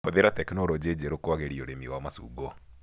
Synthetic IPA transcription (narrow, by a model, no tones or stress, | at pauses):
oðeɾatɛkenoɾɔd͡ʑed͡ʒeɾokwaɣeɾioɾemiwamasṵːɡɔ